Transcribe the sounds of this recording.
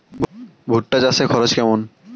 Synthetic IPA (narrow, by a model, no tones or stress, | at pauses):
bʱuʈːad͡ʑasʰekʰɔɾot͡ɕkɛmon